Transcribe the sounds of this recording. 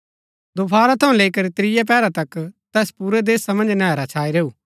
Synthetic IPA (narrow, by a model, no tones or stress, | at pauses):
d̪oːpʰaːɾat̪ʰɐũleːikɐɾit̪ɾɪjap̬ɛːɾat̪ɐkt̪ɛːspuːɾɛd̪eːsamɐ̃nd͡ʒnɛːɾat͡ʃʰaːiɾeːuː